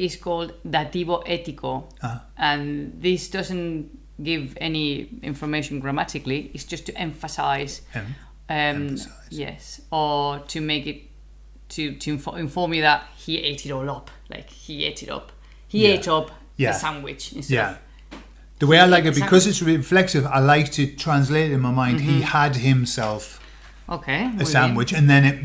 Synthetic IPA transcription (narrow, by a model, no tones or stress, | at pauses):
ɪzkʰɔlˠd̪ðatiboʔɛtɪkʰo | ʌʔə̃nðɪsd̥ʌzə̃n | ɡ̥ɪvɛniɪ̰̃ɱfə˞meɪʃə̃nɡɹamaɾɨkliɪsd͡ʒ̥ʌstʰɨʔɛ̃ɱfəsaɪz | ʌm | jɛ̰sə˞tʰɨmeɪkɪtʰː | ɨtʰɨ̃ɱfɪ̃ɱfɔɹmjɨðət̚hieɪtʰɪɾɔlʌpla̰ɪkhiḛɪtɪɾʌ̰p | hieɪtʌp | jæəsãnwɪt͡ʃɪ̃nstjæ | ðəweɪaɪlaɪkɪt̚b̥ɪkʰɒzɪtsɹɪflɛk̚sɪvaɪlaɪk̚tʰɨtʰɹ̥ãns̬leɪtɪ̃nmaɪmãɪ̃nd̥̚iəd̚ɪ̃msɛlˠf | ʔoʊkʰeɪəsãnwɪt͡ʃə̃nðə̃nɪ